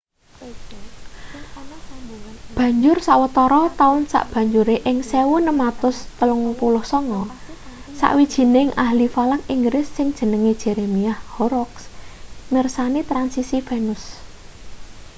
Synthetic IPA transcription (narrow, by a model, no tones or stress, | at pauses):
b̥ä̤ɲd͡ʒʊrsaʔwət̪ɔɾɔt̪aʊnsa̰ʔb̥a̤ɲd͡ʒuɾeʔɪŋsewʊnəmat̪ʊst̪əlʊŋpulʊhsɔŋɔ | sa̰ʔwid̥ʒ̥i̤nɪŋʔahlifalakiŋɡɾɪsːɪŋd̥ʒ̥ə̤nəŋed̥ʒ̥ɛ̤ɾemiahhɔɾɔksmɪrsanit̪ɾansisifenʊs